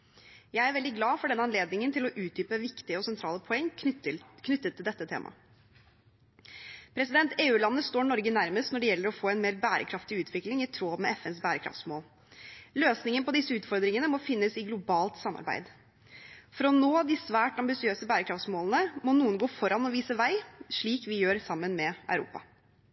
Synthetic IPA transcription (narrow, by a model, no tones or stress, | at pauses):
jæɪæɾʋɛld̪ɪɡlɑːfɔɖɛnːəɑnleːd̪nɪŋənt̪ʰɪlɔʔʉːt̪̚d̪yːpəʋɪkt̪ɪəɔsɛnt̪ʰɾɑːləpʰɔɛŋː | kʰnʏt̪ːət̪ʰːɪld̪ɛt̪ːət̪ʰḛːmɑ̰ | pʰɾɛsɪd̪ɛnt̪ʰeːʉːlɑnːəst̪oːɾnɔɾɡənæɾməst̪nɔɖɛjɛlːəɾɔfoːɛɪnmeːɾbæːɾə̰kʰɾɑft̪ɪʉːt̪ʰʋɪklɪŋɪt̪ʰɾoːmɛɛfɛnsbæːɾəkʰɾɑ̰ft̪smoːl | løːsnɪŋəəpɔd̪ɪsːəʉːt̪fɔɾd̪ɾɪŋənəmɔfɪnːəsɪɡlʊbɑːlt̪sɑmːɑ̰ɾbæ̰ɪd̪ | fɔɾɔnoːd̪ɪsʋæːʈɑmbɪsɪøːsəbæːɾəkʰɾɑft̪smoːlnəmɔnuːənɡoːfɔɾɑnɔʋiːsəʋæɪʂɭiːkʋɪjøːɾsɑmːənmɛʔœʉɾṵːpɑ̰